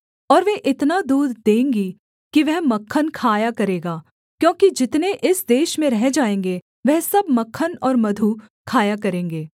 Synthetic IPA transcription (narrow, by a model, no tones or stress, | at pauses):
ɔːɾʋeʔɪt̪nad̪uːd̪d̪ẽːŋɡi | kiʋɛɦmɐkʰːənkʰaːjakɐɾeːɡaː | kjõːkid͡ʒɪt̪neʔɪsd̪eːʃmẽɾɛɦd͡ʒaːẽːŋɡe | ʋɛɦsɐbmɐkʰːənɔːɾmɐd̪ʱu | kʰaːjakɐɾẽːŋɡeː